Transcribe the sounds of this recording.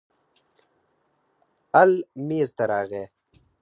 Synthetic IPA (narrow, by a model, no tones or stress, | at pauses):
ɐlmiːzt̪ɐɾaːɣeː